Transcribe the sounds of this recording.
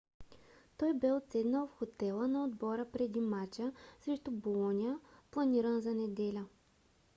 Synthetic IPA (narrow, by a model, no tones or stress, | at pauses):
t̪ɔjbɛot̪sɛd̪nəlˠfxot̪ɛlˠənɐod̪bɔɾəpɾɛd̪imat͡ʃəsɾɛʃt̪ubolˠɔniəplˠɐniɾənzɐnɛd̪ɛlʲə